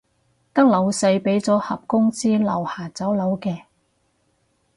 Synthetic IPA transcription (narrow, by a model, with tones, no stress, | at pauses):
t̪ɐ˥k̚lɐ˨˥wsɐ˧jpe˨˥jt͡sɔː˨˥hɐ̰˨p̚kʊ˥ŋt͡siː˥lɐ̰˨˩whaː˨˩t͡sɐ˨˥wlɐ˨˥wkɛː˧